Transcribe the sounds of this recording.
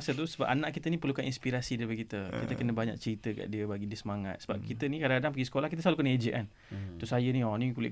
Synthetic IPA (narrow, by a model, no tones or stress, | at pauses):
sət̪usəba̰p̚anaʔkit̪ənĩpərlukaninspiɾasidaɾipakit̪əkit̪əkənəbaɲa̰k̚t͡ʃəɾit̪əka̰ʔdiəbaɡidiəsəmaŋa̰t̪̚səba̰p̚kit̪ənikadaŋkadaŋpəɡisə̥kolahkit̪̬əs̬əlalukaned͡ʒiʔan | t̪usajənĩɔnikulɪ̰ʔ